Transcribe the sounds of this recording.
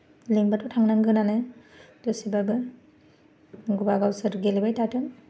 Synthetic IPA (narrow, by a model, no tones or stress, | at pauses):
leŋbatʰɔtʰaŋnaŋɡɯnanɯdosibabɯ | ɡubaɡawsɯɾɡelibajtatʰɯŋ